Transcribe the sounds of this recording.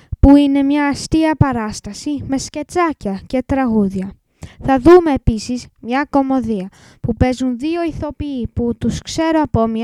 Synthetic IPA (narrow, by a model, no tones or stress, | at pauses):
puine̞mɲɐːst̪iɐpɐɾɐst̪ɐsime̞sce̞t͡sɐcɐce̞t̪ɾɐɣuðʝɐ | θɐðume̞ːpisizmɲɐko̞mo̞ðiɐ | pupe̞zunðio̞iθo̞piːput̪uskse̞ɾoɐpo̞mɲɐ